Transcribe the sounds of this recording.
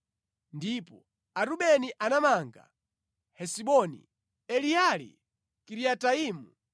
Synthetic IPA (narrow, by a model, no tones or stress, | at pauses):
ndipɔ | aɾuɓɛniʔanamaŋɡa̰ | hɛsiɓɔnḭ | ɛlialḭ | kiɾiataiːmu